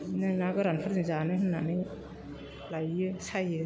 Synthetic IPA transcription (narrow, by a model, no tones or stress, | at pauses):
nɯnaɡɯɾanpʰaɾnizanɯɦɯnːanɯj | lajɯsajɯ